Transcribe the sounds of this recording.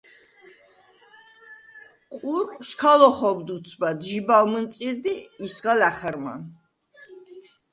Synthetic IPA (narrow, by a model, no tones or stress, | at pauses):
qʼuɾskʰalɔχɔbd̪ut̪sʰbad̪ʒibalmənt̪sʼiɾd̪iːsʁalaχaɾma̰